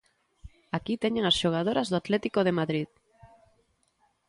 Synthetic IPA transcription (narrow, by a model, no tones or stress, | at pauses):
akit̪eɲeŋasʃoɣ̞að̞oɾazðoat̪lɛt̪ikoð̞emaðɾið